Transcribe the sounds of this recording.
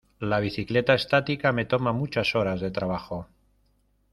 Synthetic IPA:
laβ̞iθiklet̪aest̪at̪ikamet̪omamut͡ʃasoɾazðe̞t̪ɾaβ̞axo

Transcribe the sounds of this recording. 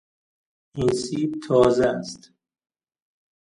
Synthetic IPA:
ʔinsiːb̚t̪ʰɒːzest̪

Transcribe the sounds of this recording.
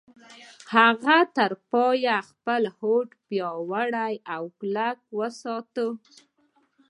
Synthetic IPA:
haɣat̪əɾpɑjaxpəlhoʈpjɑwaɽajawklak̚wəsɑt̪ə

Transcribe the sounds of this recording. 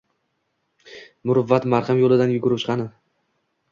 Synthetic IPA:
mʊɾʊvːat̪maɾχɪmjolˠɪd̪anjʊɡʊɾɪpt͡ʃqʰɑnɪ

